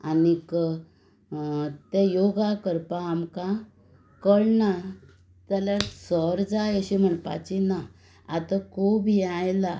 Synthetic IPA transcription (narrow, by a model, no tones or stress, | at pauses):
anik | t̪ɛjoɡakəɾpãːmka | kəɽna | t̪alasɔɾd͡zajəɕim̤əɳpa̰t͡ɕina | at̪akobʱiajla